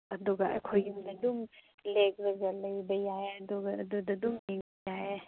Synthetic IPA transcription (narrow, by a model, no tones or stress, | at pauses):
ɐduɡɐɐ̰jkʰojːumdɐdum | leɡ̚ɾɐɡɐlɐjbɐjaeɐduɡɐɐdudɐdumjiŋbɐjae